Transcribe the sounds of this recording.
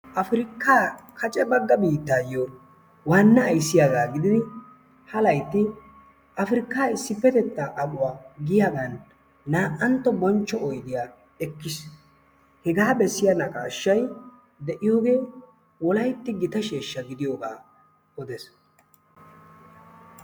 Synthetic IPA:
ʔɐfɾɪkːaːkʰɐt͡ʃʼɛbɐɡːɐbiːt̪ːaːjo | wɐnːɐːjsːɪjaɡaːɡɪd̪ɪd̪ɪ | hɐlɐjt̪ːɪ | ʔɐfɾɪkːaːɪsːɪfːɛt̪ɛt̪ːaʔɐɓʊwaːɡɪjaːɡɐnː | aːʔɐnt̪ːɔbɔnt͡ʃːɔɔjd̪ɪja | ɛkːɪs | hɛɡaːbɛsːɪjanɐkʼa̰ːʃːɐj | d̪ɛʔɪjoːɡe̞ː | wɔlɐjt̪ːɪɡɪt̪ɐʃeːʃːɐɡɪd̪ɪjoːɡa̰ː | ɔd̪ɛs

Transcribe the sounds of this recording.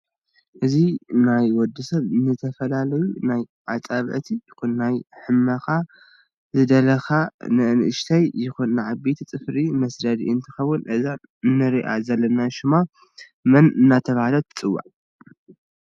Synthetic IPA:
ʔɨzinajwɔd̪ːɨsɐβnɨt̪ʰɐfɐlalɐjunaj | ʕat͡sʼaβʕt̪ʰijɪxunːajħɨmːɐxa | zɨd̪ɐlɐxanɨʔɨnʔɨʃt̪ʰajːɪxunːɨʕabet̪ʰt͡sʼɨfɾimɐsd̪ɐd̪ḭɨnt̪ʰɨxɐwːʊnʔɨza | ɨnːɨɾiʔa̰zɐlːɐnaʃɪma | mɐnɨnːat̪ʰɐβahalɐt̪ʰɨ̥t͡sʼɨwːa̰ʕ

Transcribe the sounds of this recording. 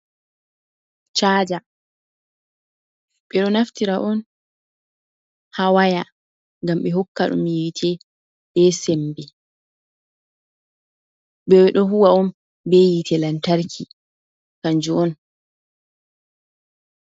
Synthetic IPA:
t͡ʃaːd͡ʒa | ɓɛɗɔnaftiɾaʔɔn | hawaja | ŋɡamɓɛɦɔkːaɗɔ̰miwitʰɛ | ɓɛsembɛ | ɓɛwɗɔɦuwaɔm | bɛjitʰɛlantaɾkʰi | kaɲd͡ʒuɔn

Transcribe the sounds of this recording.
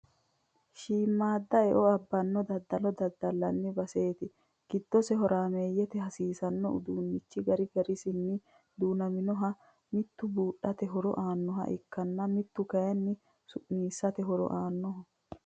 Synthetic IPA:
ʃiːmːaːd̪ːɐɛʔɔɐbːɐnːɔd̪ɐd̪ːɐlɔd̪ɐd̪ːɐlːɐnːɪbɐseːt̪ɪ | ɡ̥ɪd̪ːɔsɛɦɔɾaːmeːjːɛt̪ɛɦɐsiːsɐnːɔʊ̰d̪uːnːɪt͡ʃːɪɡɐɾɪɡɐɾɪsɪnːɪ | d̪uːnɐmɪnɔɦɐ | mɪt̪ːʊbuːɗɐt̪ɛɦɔɾɔ̰ʔaːnːɔɦɐ̰ʔɪkːɐnːɐmɪt̪ːʊkɐjɐnːɪ | sʊʔniːsːɐt̪ɛɦɔɾɔ̰ʔaːnːɔɦɐ

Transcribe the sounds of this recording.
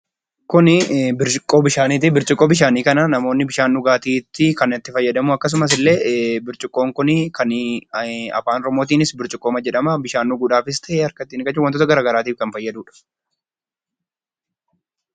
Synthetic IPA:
kʊnɪbɪɾt͡ʃʼɪkʼoːbɪʃaːniːt̪̬ɪbɪɾt͡ʃʼɪkʼːoːbɪʃ̬aːniːkɐnɐnɐmo̞ːnːɪbɪʃaːnːuːɡaːt̪iːt̪ːɪkɐnɐt̪ːɪfɐjːɐd̪ɐmuɐkːɐs̬ʊmɐs̬ɪlːe̞ːbɪɾt͡ʃʼʊkʼːo̞ːŋkʊnɪkʰɐn | ɐ̰faːnɾɔmo̞ːt̪iːnɪsbɪɾt͡ʃʼɪkʼːoːmɐd͡ʒɛᶑɐmɐbɪʃaːnːuːɡʊᶑaːfɪs̬t̪ʰɐʔeːɐɾkɐt̪ːiːnɪkʼɐt͡ʃːʊwɐnt̪ot̪ɐɡɐɾaːɡɐɾaːt̪iːfkɐnfɐjːɐd̪uːᶑɐ̥

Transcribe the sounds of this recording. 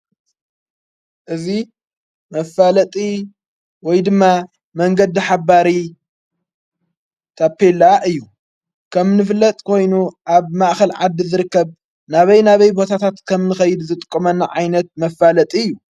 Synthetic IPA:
ʔɨzi | mɐfːalɐt̪ʼi | wɔjd̪ɨmːa | mɐŋɡɐd̪iħaβaɾi | t̪ʰapʰːelːaʔɨjːu | kʰɐmnɨfɨlːɐt̪ʼkʰo̞jnuʔaβmaʔxɐlʕad̪ːizɨɾɨkːɐβ | naβɐjnaβɐjbo̞t̪ʰat̪ʰat̪kʰɐmnɨxɐjɪd̪zɨt̪ʼɨ̥kʼːɐmɐnːaʕajnɐt̪̚mɐfalɐt̪ʼiɨjːu

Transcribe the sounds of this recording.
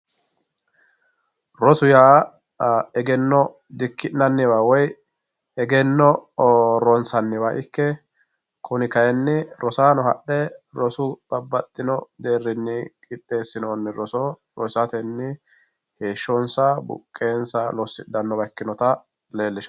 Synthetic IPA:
ɾɔsʊjaː | ɛɡɛnːɔ | d̪ɪkːɪnɐnːɪbaːwɔj | ɛɡɛnːɔ | ɾɔnsɐnːɪβaːʔɪkːɛ | kʰʊnɪkɐjɛnːɪɾʔɔsaːnɔɦɐ̰ɗɛɾɔsʊb̥ɐbːɐt̪ʼːɪnɔd̪e̞ːrːɪnːɪkʼɪt̪ʼːe̞ːsːɪnoːnːɪɾɔsɔ | ɾɔsɐt̪ɛnːɪ | he̞ːʃːɔnsɐbʊ̰kʼːe̞ːnsɐlɔsːɪd̪ɐnːɔbɐkːɪnɔt̪ɐ | le̞ːlːɪʃ

